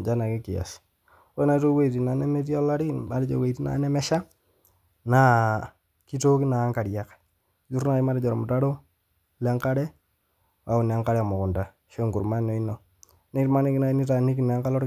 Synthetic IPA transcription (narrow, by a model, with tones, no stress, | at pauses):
d͡ʒa˦na˨kɛ˦kɪ˨ja̰˨s | e˦na˨˦to˦we˦˨ti˨na˨nɛ˦mɛ˦ti˦a˦la˦ɾi˦ma˦ɾi˦t͡ʃo̰˨we˨i˨ti˦na̰˨˦nɛ˦mɛ˦ʃa˦ | na˨˦ | ki˦to˦ki˦na˨˦ŋka˨ɾja˨k | d͡ʒu˦ɾna˨i˦ma˦ɾɪ˦d͡ʒɔ˨ɾmu˨ta˦ɾo˦ | lɛ˦ŋka˦ɾɛ˦ | wa˨˦ʊ˨na˨˦ŋka˦ɾɛ˨a˨mo˨kʊ˨nda˨ | ʃe˦ŋɡu˨ɾma˦no˨i˦nɔ˨ | ni˦tma˦ni˦kna˦ni˦ta˨ni˦ki˨na˨˦ŋka˦lɔ˦ɾ